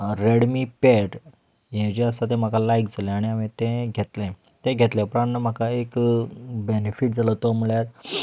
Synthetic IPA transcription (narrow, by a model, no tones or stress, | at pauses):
ɾeɽmipeʈ | jẽd͡ʑiəsat̪̬ẽm̤akalajkd͡zalẽaɽ̃iaʋet̪ẽɡʱet̪lẽ | t̪ẽɡʱet̪lẽpɾanːəm̤akaekbenefiʈ̚d͡zʱalət̪om̤əɭjaɾ